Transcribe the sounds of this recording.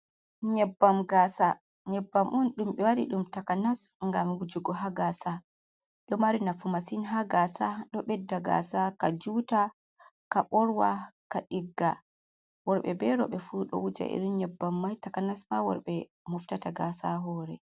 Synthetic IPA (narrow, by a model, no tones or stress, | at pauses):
ɲɛbːamɡasa | ɲɛbːamʔunɗumɓɛwaɗḭɗumtakanasŋɡamwud͡ʒuɡɔɦaɡasa | ɗɔmaɾinafumasinɦaɡasaɗɔɓɛdːaɡa̰sakad͡ʒuta | kaɓɔɾwakaɗiɡːa | wɔɾɓɛbɛɾɔ̰ɓɛfuɗɔ̰wud͡ʒa̰ʔḭɾiɲɛbːamːajtakanasmawɔ̰ɾɓɛ | muftataɡasaɦɔːɾɛ̰